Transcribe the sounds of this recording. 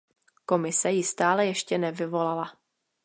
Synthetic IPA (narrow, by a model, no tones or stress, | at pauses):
ko̞mɪsɛjɪst̪aːlɛjɛʃcɛnɛvɪvo̞lala